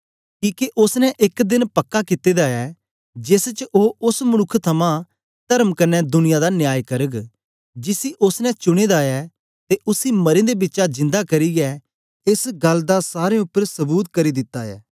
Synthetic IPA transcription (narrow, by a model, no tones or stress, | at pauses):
kiːkeʔʊsnɛʔɪkd̪ɪnpɐkːakɪt̪ːed̪aɛː | d͡ʒɪst͡ʃʔoːʊsmɐnʊkʰːt̪ʰɐmã | t̪ɐɾəmkɐɾnɛd̪ʊnɪjad̪anjaːjkɐɾəɡ | d͡ʒɪsiʔʊsnɛt͡ʃʊɽ̃eːd̪aɛː | t̪eʔʊsimɐɾẽd̪ebɪtːt͡ʃad͡ʒɪ̃nd̪akɐɾiɡɛ | ɪsɡɐlːd̪asaːɾeʊpːəɾsɐbuːt̪kɐɾid̪ɪt̪ːaɛ̰ː